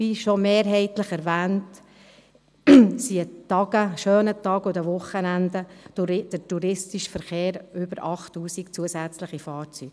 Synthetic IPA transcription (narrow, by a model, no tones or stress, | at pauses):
iʃomeːɾɦɛɪt̪ləχɛɾvæːnt | siətɑɡəʃøːnət̪ɑːɡʊdəʋʊχːənændə̥d̥ətuɾɪstiʃfəɾχeːɾʏbəɾɑχtːuːsikt͡suəsæt͡sləχifɑːɾt͡syːɡ̥